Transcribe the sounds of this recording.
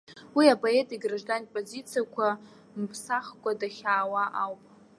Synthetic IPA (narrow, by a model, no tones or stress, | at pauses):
wiapʼoe̞tʼiɡraʐdantpʼozit͡sʰijakʷʰa | mpʰsaχkʷʼadaχʲaːwaʔawpʼ